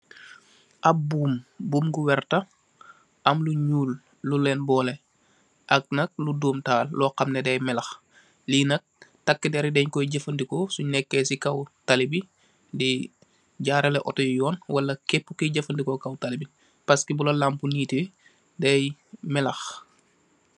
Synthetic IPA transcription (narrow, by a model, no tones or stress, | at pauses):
ʔɐbuːmbuːmɡuwɛrtɐ | ʔɐmluɲuːlː | ulɛːnbɔːlɛ | ʔɐk̚nɐk̚luduːmtaːllɔːqɐmnɛdɛjmɛlɐx | linɐk̚tɐkːidɛɾidɛɲkɔjɟəfɐndikɔsunɛkːɛsikɐwtalibi | di | ɟaːɾɐlɛʔɔtɔjujɔːnwɐlɐkepːukiɟɐfɐndikɔkɐwtalibi | pɐskibulɐlampuniːti | dɛjmɛlɐx